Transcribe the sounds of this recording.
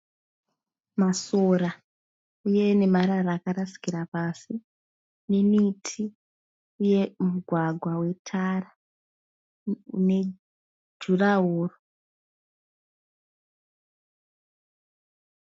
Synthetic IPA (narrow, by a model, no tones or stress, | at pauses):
masora | uje̞ne̞maɾarakaɾasi̥kiɾapasi | nenitʰi | uje̞muɡʱwaɡʱwawe̞tʰara | ne̞ | d͡ʒuraɦoːro